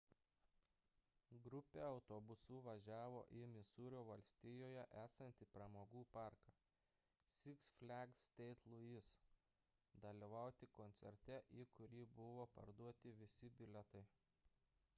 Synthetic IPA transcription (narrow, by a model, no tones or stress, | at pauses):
ɡɾʊpʲeːɒʊt̪obʊsuːʋɐʒʲæːʋo̰ːʔɪmʲɪsuːɾʲoːʋɐlʲsʲt̪ʲɪjoːjɛʔæːsɐnʲt̪ʲɪpɾɐmoːɡuːpɑˑɾkɐː | sʲɪksfʲlʲæɡsʲt̪ʲɛɪt̪lˠʊis | d̪ɐlʲiʋɑˑʊt̪ʲɪkɔnʲt̪sʲɛ̰ɾʲt̪ʲɛʔiːkʊɾʲiːbʊʋoːpɐ̰ɾd̪uɔt̪ʲɪʋʲɪsʲɪbʲɪlʲɛt̪ɐɪ